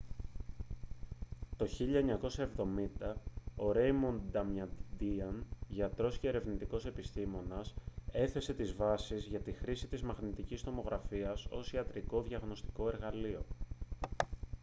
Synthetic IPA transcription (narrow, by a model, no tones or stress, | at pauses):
t̪o̞çiʎɐeɲɐko̞sɐe̞vðo̞mind̪ɐo̞ɾe̞jmond̪ɐmɐd̪iɐnʝɐt̪ɾo̞sceeɾe̞vnit̪iko̞se̞pist̪imo̞nɐse̞θe̞se̞t̪izvɐsizʝɐt̪ixɾisit̪izmɐɣnit̪icist̪o̞mo̞ɣɾɐfiɐso̞̰siɐt̪ɾiko̞ðʝɐɣno̞st̪i̥ko̞e̞ɾɣɐlio̞